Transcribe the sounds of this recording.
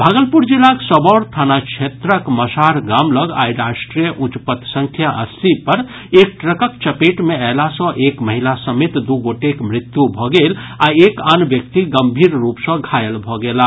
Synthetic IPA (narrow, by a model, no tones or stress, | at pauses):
bʱaɡəlpuɾd͡ʒilːaksəbɔɾt̪ʰanakt͡ʃʰet̪ɾəkməsaɾɡamləɡa̰iɾasʈɾijəʔut͡ʃpət̪sə̃ŋkʰjaʔəst̪ʰipəɾ | ek̚ʈɾəkək̚t͡ʃəpeʈmealasə̃ʔekməɦilasəmet̪d̪uɡoʈekmɾit̪jubʱɔɡelaekanbjək̚t̪iɡəmbʱiɾɾupsə̃ɡʱajəlbʱɔɡela